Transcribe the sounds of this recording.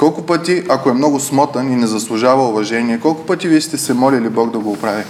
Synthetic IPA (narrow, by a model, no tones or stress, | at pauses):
kɔlˠkʊpət̪iɐkoɛmnɔɡʊsmɔt̪ɐninɛzɐslˠʊʒavɐʊvɐʒɛniɛkɔlˠkʊpət̪iviɛst̪ɛsɛmɔlʲilibɔɡd̪ɐɡoːpɾavʲi